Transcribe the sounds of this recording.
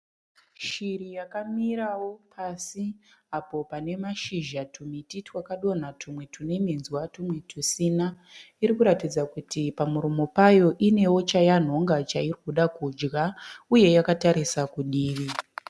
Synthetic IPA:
ʃirijakamiɾawo̞pʰasiapo̞pane̞maʃiʒatʰumititwakaɗo̞n̤atʰumwe̞tʰune̞menzwatumwe̞tʰusina | iɾikuɾatid͡zakutipamuɾumo̞pajo̞ʔine̞wo̞t͡ʃajan̤o̞ŋɡat͡ʃairikuɗakud͡ʒɡauje̞jakataɾisakuɗiːʋi

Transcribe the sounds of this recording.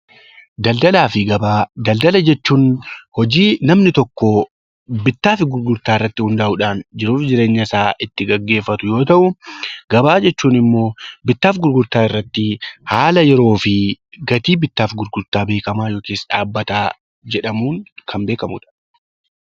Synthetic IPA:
d̪ɐld̪ɐlaːfɪɡɐbaːd̪ɐld̪ɐlɐd͡ʒɛt͡ʃːuːnhɔd͡ʒiːnɐmnɪt̪ɔkːɔ | bɪt̪ːaːfɪɡʊɾɡʊɾt̪aːɪrːɐt̪ːɪhʊnd̪aːʔʊᶑaːnd͡ʒɪɾuːfd͡ʒɪɾe̞ːɲːɐɪsaːʔɪt̪ːɪɡɐɡːe̞ːfːɐt̪ʊjo̞ːt̪ɐʔʊɡ̥ɐbaːd͡ʒɛt͡ʃːuːnɪmːo̞ːbɪt̪ːaːfɡʊɾɡʊɾt̪aːɪrːɐt̪ːɪhaːlɐjɛɾo̞ːfɪɡɐt̪iːbɪt̪ːaːfɡʊɾɡʊɾt̪aːbe̞ːkɐmaːjo̞ːkeːsᶑaːbːɐt̪aː | d͡ʒɛᶑɐmuːŋkʰɐmbe̞ːkɐmʊ̰ᶑɐ̥

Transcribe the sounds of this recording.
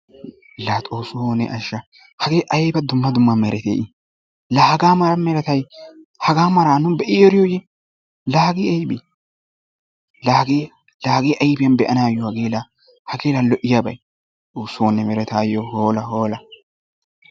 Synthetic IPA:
laːt̪ʼoːsʊhoːnɛ̰ʔɐʃːɐ | hɐɡeːʔɐjbɐd̪ʊmːɐd̪ʊmːɐmɛɾʔɛt̪ḛːʔɪ | laːɡaːmɐɾɐmɛɾɛt̪ɐj | hɐɡaːmɐɾaːnʊbɛʔɪɔɾɪjoːjɛ | laːɡiːɐjbi | laːɡeː | laːɡeːʔɐjbɪjɐnbɛʔɐnaːjɔhɐɡeːla | hɐɡeːlɐnlɔʔɪjabɐ̰j | t̪ʼoːsonːɛmɛɾɛt̪aːjːohoːlɐhoːlɐ

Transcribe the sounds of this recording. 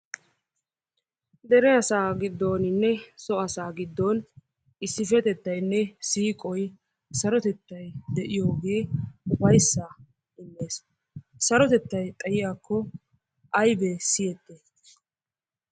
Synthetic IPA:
d̪ɛɾɛɐsaːɡɪd̪ːo̞ːnɪnːɛsɔɐsaːɡɪd̪ːoːn | ɪsːɪfɛt̪ɛt̪ːɐjnːɛsiːkʼɔj | sɐɾɔt̪ɛt̪ːɐjd̪ɛʔɪjo̞ːɡe̞ːʊbɐjsːaː | ɪmːeːs | sɐɾɔt̪ɛt̪ːɐjt̪ʼɐjɪjaːkːɔ | ʔɐjbɛsɪjɛt̪ːe

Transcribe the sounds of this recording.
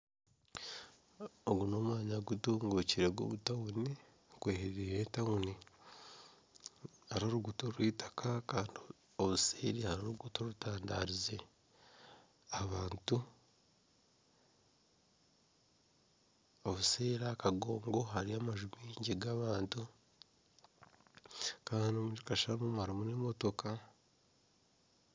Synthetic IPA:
oɡuno̞ːmwaːɲaɡutuːŋɡuciɾeɡo̰βutawuni | kweːheɾiɾejetauni | haɾoɾuɡutoɾwiːtḁkakaːndio | oβuseːɾihaɾoɾuɡutoɾutaːndaɾize | aβaːntu | oβuseːɾakaɡo̞ːŋɡo̞ɦaɾiaːmaʒumiːɲɟiɡaβaːntu | kaanomud͡ʒikaʃamumhaɾimunemo̞to̞ka

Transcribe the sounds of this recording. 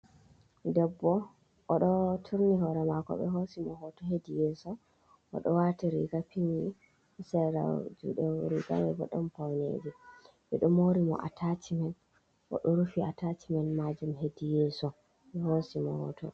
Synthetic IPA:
dɛbːɔ | ʔɔɗɔtʰuɾniɦɔɾɛmakɔ̰ɓɛ̰ɦosimɔɦɔtɔɦedijɛsɔ | ɔ̰ɗɔwatiɾḭɡapiɲːi | sɛɾa̰d͡ʒṵɗɛɾiɡa̰mɛbɔ̰ɗːɔmpawnḛd͡ʒi | ɓɛɗɔmoɾimɔ̰ʔa̰tʰatʰimɛn | ʔɔ̰ɗɔɾufiatatimɛnmad͡ʒumɦedijɛsɔ | ɓɛhosimɔhɔ̰tɔ̰

